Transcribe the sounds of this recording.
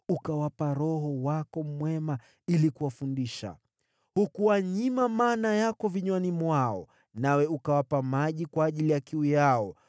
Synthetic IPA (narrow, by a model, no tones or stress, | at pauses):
ukawapaɾɔɦɔwakɔmwɛma | ilikuwafundiʃa̰ | hukuwaɲimamaːnajakɔviɲwanimwaɔ̰ | nawɛukawapamaʄikwaːʄilijakiujaɔ